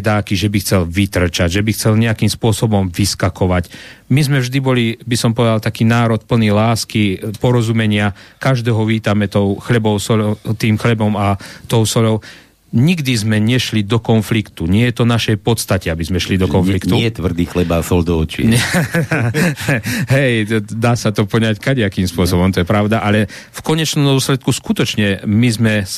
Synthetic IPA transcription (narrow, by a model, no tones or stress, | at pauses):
d̪aːkiʒɛbixt͡sɛlʋit̪r̩t͡ʃaɟʒɛbixt͡sɛlɲɛakiːmspʊɔsɔbɔmʋiskakɔʋacmizmɛvʒd̪ibɔlibisɔmpɔʋɛd̪alt̪akiːnaːɾɔt̪̚pl̩nilaːskipɔɾɔzumɛɲɪakaʒd̪ɛːɦɔʋiːt̪amɛt̪ɔʊxlɛbɔʊsɔɔt̪iːmxlɛbɔmat̪ɔʊsɔʎɔʊ | ɲiɡd̪izmɛɲɛʃlid̪ɔkɔnflikt̪uɲɪɛjɛt̪ɔnaʃɛjpɔt̪st̪acɛabizmɛʃlid̪ɔkɔnflikt̪uɛt̪ʋr̩d̪iːxlɛbasɔld̪ɔɔt͡ʃḭ | ɦɛjd̪aːsat̪ɔpɔɲackaɟɛakiːmspʊɔsɔbɔmt̪ɔjɛpɾaʊd̪aʔalɛ | fkɔɲɛt͡ʃnɔmd̪ʊɔslɛt̪̚kuskut̪ɔt͡ʃɲɛmizmɛ